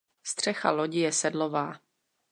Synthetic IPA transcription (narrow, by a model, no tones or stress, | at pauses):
st̪r̝̥ɛxaloɟɪjɛsɛdlo̞vaː